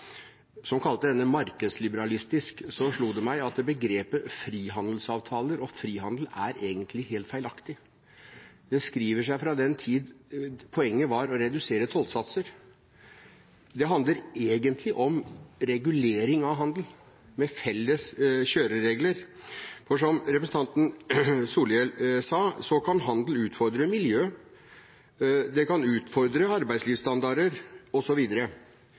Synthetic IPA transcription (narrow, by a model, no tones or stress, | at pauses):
sɔmkʰɑlt̪əd̪ɛnːəmɑɾkəd̪slɪbəɾɑlɪst̪ɪsksɔʂɭuːd̪ɛmæɪɑt̪bəɡɾeːpəfɾiːɦɑnd̪l̩sɑːʋt̪ʰɑːləɾɔfɾiːɦɑnd̪l̩æɾʔeːɡənt̪ʰlɪɦeːlt̪fæɪlɑkt̪ɪ | d̪ɛskɾiːʋəʂæɪfɾɑd̪ɛnt̪ʰiːd̪pʰɔɛŋːəʋɑɾɔɾɛd̪ʉseːɾət̪ʰɔlt̪sɑt̪səɾ | d̪ɛɦɑnd̪əɾeːɡənt̪ʰlɪʔɔmɾɛɡʉleːɾɪŋɑʋɦɑnd̪l̩ | mɛfɛlːəsɕøːɾəɾeːɡləɾfɔʂɔmɾɛpɾsn̩ɑnt̪n̩suːljɛlsɑːsɔkʰɑnɦɑnd̪l̩ʉːt̪fɔɾd̪ɾəmɪljøː | d̪ɛkɑnʉːt̪fɔɾd̪ɾəɑɾbæɪsliːʋst̪ɑnd̪ɑɾəɾɔsɔʋiːd̪əɾə